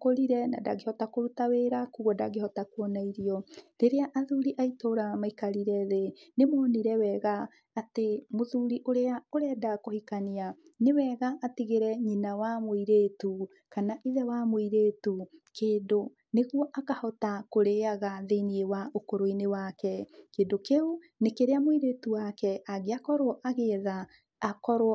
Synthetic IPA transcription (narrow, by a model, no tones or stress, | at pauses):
koɾiɾɛna̰da̰ɡehɔtakoɾutaweːɾakuɣɔdaɡehɔtakuɔnaiɾiɔɾeɾeaʔaðuɾiʔaitoːɾamaikaɾiɾɛðenemoːniɾɛwɛɣaː | temoðuɾiʔoɾeaoɾɛdakohikania | newɛɣaʔːtiɣeɾɛɲinawamoiɾetu | kanaʔiðɛwamoiɾetukeːndo | neɣwɔʔakahɔtakoɾeaɣaðeiniewaʔokoɾoinewakɛkeːndokeo | nekeɾeamoiɾetuwakɛaɣeakɔɾoɔʔaɣeðaː | kɔɾo